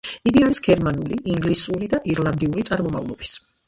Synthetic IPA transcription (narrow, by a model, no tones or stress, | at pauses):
iɡiaɾisɡ̥ɛɾmanuliʔiŋɡlisuɾid̪aʔiɾlˠand̪iuɾit̪sʼaɾmɔma̰vlˠɔb̥i̥s